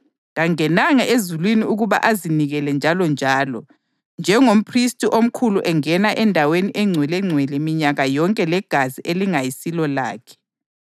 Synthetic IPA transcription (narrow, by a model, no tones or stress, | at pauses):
ɣaŋɛnaŋaʔezulwiniuɣuβa̰ʔaziniɣɛlɛnd͡ʒʱalɔnd͡ʒʱaːlɔ | nd͡ʒʱɛŋom̩pʰristʼiʔom̩kʰuluʔɛŋɛnaʔɛndʱaweniʔɛŋ͡ǀʱwɛlɛŋ͡ǀʱwɛlɛmiɲaɣajɔŋkʼɛlɛɡ̥ʱaziʔeliŋajisilɔla̰ːkʰɛ̥